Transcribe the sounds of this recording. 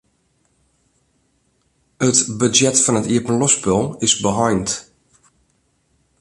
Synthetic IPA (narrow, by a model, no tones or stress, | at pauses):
ətbəd͡ʒjɛtfɔnətiəpənlɔspəlˠɪsbəɦɔjnt